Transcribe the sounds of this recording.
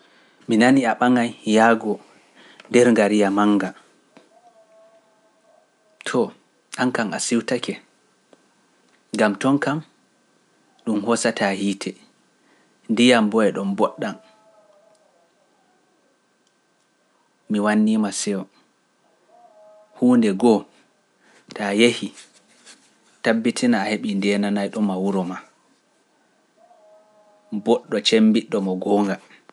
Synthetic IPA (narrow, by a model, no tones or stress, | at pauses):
minaniaɓaŋajjaɡɔ | ndɛɾŋɡaɾijamaŋɡa | tʰɔ | ʔaŋkama̰siwtakʰɛ | ŋɡamtɔŋkam | ɗumhɔsatʰahiːtʰɛ | ndijambɔɛɗɔmbɔɗːan | miwanːiːmasɛɔ | huːndɛɡɔ | tʰajehi | tabːitʰinaːheɓindɛːnanajɗɔmawuɾɔma | bɔɗːɔt͡ʃembiɗːɔmɔɡɔːŋɡa